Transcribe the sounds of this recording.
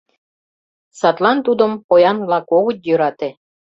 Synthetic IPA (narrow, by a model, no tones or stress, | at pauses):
sɑt̪lɑnt̪ud̪ə̆mpojɑnblɑkoɣət̪jø̆ɾɑt̪ĕ